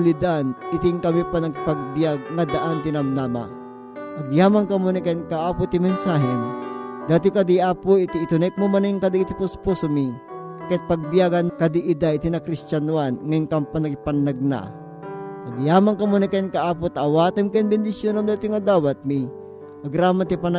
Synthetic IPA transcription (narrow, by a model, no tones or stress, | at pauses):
lid̪anʔɪt̪ɪŋkɐmipanɐkɪpɐɡ̚bjaɡ̚ŋad̪aʔant̪ɪnɐmnama̰ | ʔɐɡjaːmaŋkɐmonikɐnkɐʔaːpʊt̪ɪmɛnsaːɦɛnd̪aːt̪ɪkɐd̪iaːpoɪt̪iːt̪ʊnɛk̚momɐniŋkɐd̪it̪ipʊsposomi | kɐit̪̚pɐɡ̚bijaɡɐnkɐd̪iʔɪd̪aʔit̪inɐkɾist͡ʃanwanŋɐiŋkɐmpanɐkɪpɐnːɐɡ̚na̰ | ʔɐɡjaːmaŋkɐmonikɐinkɐaːpʊt̪aːwaːt̪ɐmkɐnbɛnd̪ɪsjonɐmd̪at̪ɪŋɐd̪aːwɐt̪̚mi | ʔɐɡɾaːmant̪ipɐna